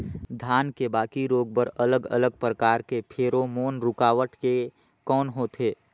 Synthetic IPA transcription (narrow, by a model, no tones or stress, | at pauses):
d̪ʱjaːnkebaːkiɾoːɡ̚bəɾələɡə̰ləɡ̚pɾəkaːɾkepʰeːɾomoːnɾʊkaːʋəʈke | kɔːnɦot̪ʰeː